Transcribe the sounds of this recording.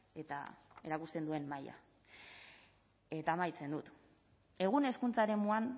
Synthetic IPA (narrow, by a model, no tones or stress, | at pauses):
e̞t̪a̰e̞ɾakust̪e̞nd̪ue̞nːaja̰ | e̞t̪aːmajt͡se̞nd̪ut̪ | e̞ɣ̞une̞skunt͡saeɾe̞muan